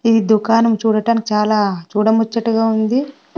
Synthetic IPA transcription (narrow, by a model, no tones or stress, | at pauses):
iːd̪ukaːnɐmt͡ʃuːɽɐʈaːnikit͡ʃaːlaːt͡ʃuːɽɐmot͡ʃːɐʈːuɡaːund̪i